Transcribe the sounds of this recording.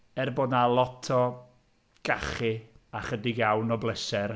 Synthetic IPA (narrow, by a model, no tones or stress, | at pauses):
ɛrboːdnalˠɔtʰɔ | ɡ̥aχɪaχədɪɡjawnɔblˠɛsɛr